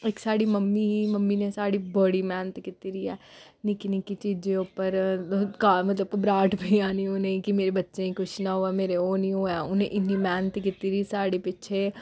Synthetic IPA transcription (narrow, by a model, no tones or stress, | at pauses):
eːksaːɽimɐmːiɦimɐmːinẽsaːɽibɐɽimɛːnt̪kɪt̪iɾiɛː | nikinikit͡ʃiːd͡ʒd͡ʒeoːpəɾkaːmɐt̪ləb̚kobɾaːʈbʱiaːnioneĩkimeːɾebɐtːʃẽikʰʊt͡ʃʰnaɦoameːɾeoːnĩoːɛːʊnɦẽʔɪnːimɛːnət̪kɪt̪iɾisaːɽipɪtːʃʰe